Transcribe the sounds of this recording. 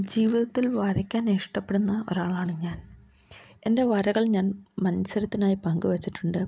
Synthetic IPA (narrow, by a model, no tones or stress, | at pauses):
d͡ʑiːʋiðɐt̪ːilʋɐɾɐkʲːaːneʂʈɐpːeɽunːɐo̰ɾaːɭaːɳɨɲaːn | e̞̰nde̞ʋɐɾɐɣɐɭɲaːnmɐnɐsɐɾɐt̪ːinaːjipɐŋɡɨʋet͡ɕːiʈːuɳɖɨ